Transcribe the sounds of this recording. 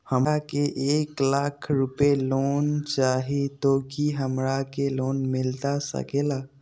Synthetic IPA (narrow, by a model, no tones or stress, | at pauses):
həmakeʔeːklakʰɾupelont͡ʃaːɦit̪okiɦəmɾakeloːnmɪlt̪asə̰keːlaː